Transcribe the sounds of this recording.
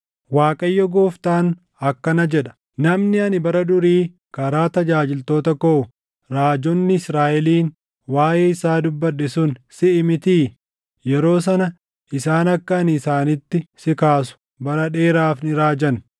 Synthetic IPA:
waːkʼɐjːɔɡoːft̪aːn | ɐkːɐnɐd͡ʒɛᶑɐ̥ | nɐmnɪɐnɪbɐɾɐd̪ʊɾiː | kɐɾaːt̪ɐd͡ʒaːd͡ʒɪlt̪o̞ːt̪ɐkoː | ɾaːd͡ʒɔnːɪɪsɾaːʔɛliːn | waːjʔeːɪsaːd̪ʊbːɐᶑːɛsʊnsɪʔɪmɪt̪iː | jɛɾo̞ːs̬ɐnɐ | ʔɪsaːnɐkːɐːnɪsaːnɪt̪ːɪsɪkaːsʊ̥ | bɐɾɐᶑe̞ːɾaːfnɪɾaːd͡ʒɐn

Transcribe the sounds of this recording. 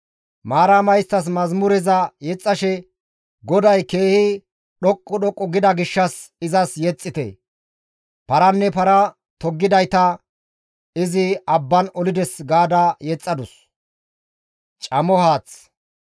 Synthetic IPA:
maːɾamɐjst̪ːɐs̬mɐzmʊɾɛzɐjɛt͡sʼːɐʃɛ | ɡɔd̪ɐjke̞ːhɪ | ɗɔkʼːɔɗɔkʼːɔɡɪd̪ɐɡɪʃːɐsɪzɐsjɛt͡sʼːɪt̪ɛ̰ | pɐɾɐnːɛpɐɾɐ | t̪ɔɡːɪd̪ɐjt̪ɐ | ɪzɪɐbːɐnɔlɪd̪ɛsɡaːd̪ɐjɛt͡sʼːɐd̪ʊs | t͡ʃʼɐmɔhaːt͡s

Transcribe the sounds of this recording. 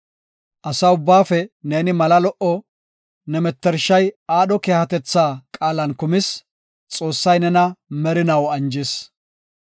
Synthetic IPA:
ʔɐsɐʊbːaːfɛne̞ːnɪmɐlɐlɔʔɔ | nɛmɛt̪ːɛɾʃːɐjaːɗɔkeːhɐt̪ɛt͡sːaːkʼaːlɐnkʊmɪs | t͡sʼo̞ːsːɐjnɛnɐmɛɾɪnɐwɐnd͡ʒɪs

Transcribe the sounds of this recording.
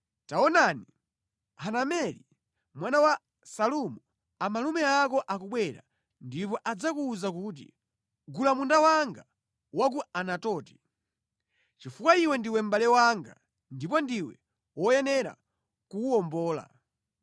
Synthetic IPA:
taɔnani | hanamɛli | mwanawa | salumu | amalumɛak̬ɔʔakuɓwɛɾa̰ | ndip̬ɔʔad͡zakuːzak̬uːt̬ḭ | ɡulamundawaŋɡa | wak̬uanatɔːti̥ | t͡ʃifukwaiwɛndiwɛm̩balɛwaŋɡa̰ | ndip̬ɔndiwɛ̰ | wɔjɛnɛɾa̰ | kuːɔmbɔːla̰

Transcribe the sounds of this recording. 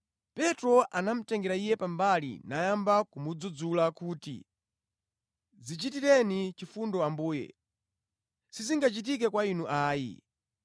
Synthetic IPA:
pɛtɾɔʔanam̩tɛŋɡɛɾaijɛpambalḭnajambakumud͡zud͡zulakuːtḭ | zit͡ʃitiɾɛnit͡ʃifundɔambuːjɛ̰ | siziŋɡat͡ʃit̬ik̬ɛkwainuʔaːjḭ

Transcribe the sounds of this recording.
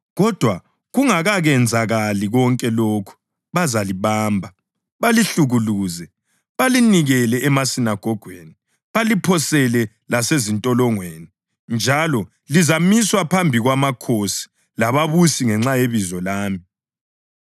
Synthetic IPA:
ɣɔd̥ʱwa | ɣuŋaɣaɣɛnd͡zʱaɣaliɣɔŋkʼɛloːkʰu̥ | βazaliβaːmbʱa | βaliɬuɣuluːzɛ | βaliniɣɛlɛʔɛmasinaɡ̥ʱɔɡ̥ʱweːni | βalipʰɔsɛlɛ | lasezintʼɔlɔŋweːni | nd͡ʒʱalɔ | lizamiswapʰambʱiɣwamakʰosi̥ | laβaβusiŋɛŋ͡ǁajeβizɔlaːmi

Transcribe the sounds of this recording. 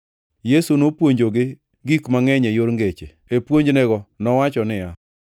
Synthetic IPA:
jesunopwoɲd͡ʒoɡɪ | ɡikmaŋɛɲɛjoɾŋɡet͡ʃe | epwoɲd͡ʒnɛɡɔnɔwat͡ʃɔnɪja

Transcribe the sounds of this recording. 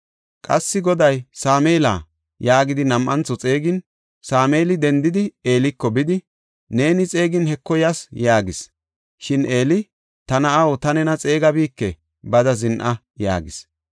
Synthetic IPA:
kʼɐsːɪɡɔd̪ɐjsaːmeːla̰ː | jaːɡɪd̪ɪnɐmʔɐnt͡sːɔt͡sʼe̞ːɡɪn | saːmeːlɪd̪ɛnd̪ɪd̪ɪe̞ːlɪkːɔbɪd̪ɪ | ne̞ːnɪt͡sʼe̞ːɡɪnhɛkːɔjɐsjaːɡɪs | ʃɪne̞ːlɪ | t̪ɐnɐʔɐwɔt̪ɐnɛnɐt͡sʼe̞ːɡɐbiːkːɛ | bɐd̪ɐzɪnʔɐ | ja̰ːɡɪs

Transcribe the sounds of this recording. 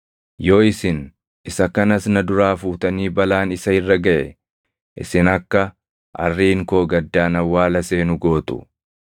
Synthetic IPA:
jo̞ːɪsɪn | ɪsɐkɐnɐsnɐd̪ʊɾaːfuːt̪ɐniːbɐlaːnɪsɐɪrːɐɡɐʔɛ̰ | ʔɪ̰sɪnɐkːɐ | ʔɐ̰rːiːŋko̞ːɡɐd̪ːaːnɐwːaːlɐse̞ːnʊɡo̞ːt̪ʊ̥̰

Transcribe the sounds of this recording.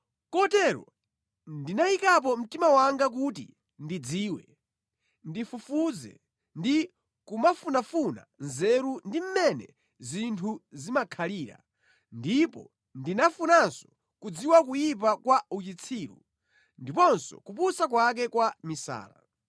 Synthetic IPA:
kɔtɛɾɔ̰ | ndinaikap̬ɔm̩timawaŋɡak̬utḭ | ndid͡ziːwɛ | ndifufuzɛ̰ | ndi | kumafunafuna̰nzɛɾundim̩mɛnɛ̰ | zintʰuzimakʰaliːɾa̰ | ndipɔ̰ | ndinafunansɔ̥ | kud͡ziwak̬ujip̬akwaut͡ʃit͡sʰiːɾṵ | ndipɔnsɔ̰kupusak̬wak̬ɛkwamisa̰ːɾa̰

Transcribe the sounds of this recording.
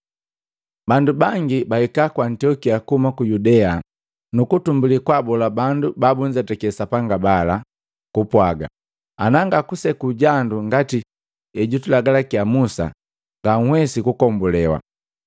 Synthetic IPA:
bandubaŋɡibahɛkakwantiɔkiakuhumakujudɛa | nukutumbulikwabɔlabandubabuɲd͡ʒatakɛsapaŋɡabala | kupwaɡa̰ | anaŋɡakusɛkuɟanduŋɡati | ɛɟutulaɡalakiamusa̰ | ŋɡaŋ̩hwɛsikukɔmbulɛwa̰

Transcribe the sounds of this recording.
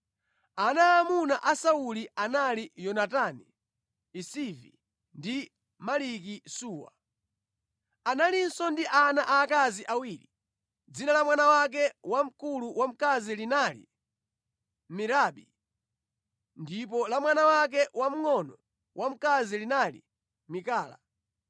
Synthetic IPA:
anaːmunaʔasaulianalijɔnataniː | sivi | ndi | malik̬isuːwa̰ | analin̩sɔndiʔanaʔaːkaziʔawiːɾi | d͡zinalamwanawak̬ɛwam̩kuluwʔam̩kazilinalḭ | miɾaːɓi | ndip̬ɔlamwanawak̬ɛwam̩ŋɔnɔ | wʔam̩kazilinalḭ | mikaːla̰

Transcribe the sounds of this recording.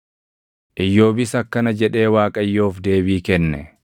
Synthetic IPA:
ʔɪjːo̞ːbɪsɐkːɐnɐd͡ʒɛᶑe̞ːwaːkʼɐjːo̞ːfd̪e̞ːbiːkɛnːɛ

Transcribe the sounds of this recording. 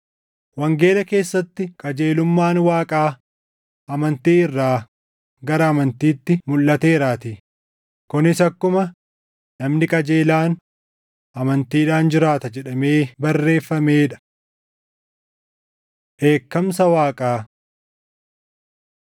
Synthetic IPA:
wɐŋɡe̞ːlɐke̞ːsːɐt̪ːɪkʼɐd͡ʒe̞ːlʊmːaːnwaːkʼaː | ʔɐmɐnt̪iːɪrːaː | ɡɐɾɐːmɐnt̪iːt̪ːɪmʊlːɐt̪e̞ːɾaːt̪ɪ | kʊnɪsɐkːʊmɐ | nɐmnɪkʼɐd͡ʒeːlaːn | ʔɐmɐnt̪iːᶑaːnd͡ʒɪɾaːt̪ɐd͡ʒɛᶑɐme̞ːbɐrːe̞ːfːɐme̞ːᶑɐ̥ | ʔeːkːɐmsɐwaːkʼaː

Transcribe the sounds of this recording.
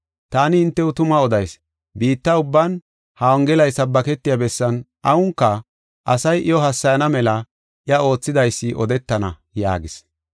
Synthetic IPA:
t̪aːnɪɪnt̪ːɛʊt̪ʊmɐɔd̪ɐjs | biːt̪ːɐʊbːɐn | hɐwɔŋɡɛlɐjsɐbːɐkɛt̪ːɪjabɛsːɐn | ʔɐwʊŋkːɐ | ʔɐsɐjʔɪjɔɦɐsːɐjɐnɐmɛlɐ | ʔɪɐo̞ːt͡sːɪd̪ɐjsːɪʔɔd̪ɛt̪ːɐnɐ̰ | ja̰ːɡɪs

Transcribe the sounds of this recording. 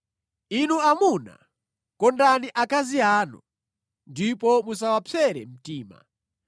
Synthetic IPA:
inuamuna̰ | kɔndaniʔakaziaːnṵ | ndipɔmusawapʰɛɾɛ̰m̩tiːma̰

